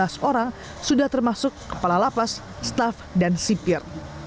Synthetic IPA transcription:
asoɾaŋ | sudaht̪ərmasʊkːə̥palalapasː | t̪afdansipɪr

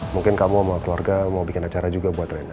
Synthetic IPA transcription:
muŋkɪnkamuamakluarɡamaubikɪnat͡ʃaɾad͡ʒuɡabuat̪rɛna

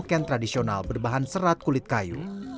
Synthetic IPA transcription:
kɛnt̪ɾadisiona̰lbərbaɦansəɾat̪̚kulɪt̪̚kajṵ

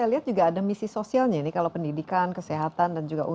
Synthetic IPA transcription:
ajaliɦat̪̚d͡ʒuɡaːdamisisosialɲainikalawpəndidikankəseɦat̪andand͡ʒuɡaʔu

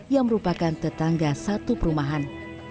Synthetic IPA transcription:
jaŋməɾupakant̪ət̪aŋɡasat̪upəɾumaɦan

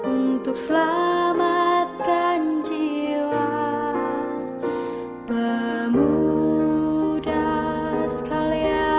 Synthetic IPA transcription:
unt̪ʊk̚səlamat̪̚kand͡ʒiwa | bəmu | dasə̥kalia

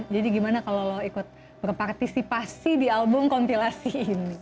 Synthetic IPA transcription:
d͡ʒadiɡimanakaloloikʊt̪̚ | bərpart̪isipasidialbʊmkɔmpilasiːni

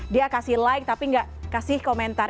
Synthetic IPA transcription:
diakasɪhlaɪk̚t̪apiŋɡaʔkasɪhkomɛnt̪a

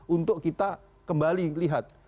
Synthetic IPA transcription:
unt̪ʊkkːit̪a | kəmbaliliɦat̪̚

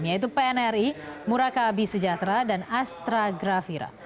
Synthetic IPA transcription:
mjait̪̬upeɛnɛrimuɾakabisəd͡ʒat̪ɾadanast̪ɾaɡɾafiɾa̰

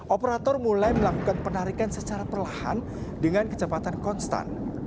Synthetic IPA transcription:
ʔɔpəɾat̪ɔrmulajməlakukanpənaɾikansət͡ʃaɾapərlaha̰n | dəŋankə̥t͡ʃəpat̪ankɔnst̪a̰n

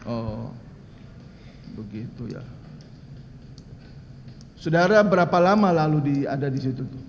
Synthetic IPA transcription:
ʔɔ | bəɡit̪uja̰ | sudaɾabəɾapalamalaludia̰dadisit̪ut̪u

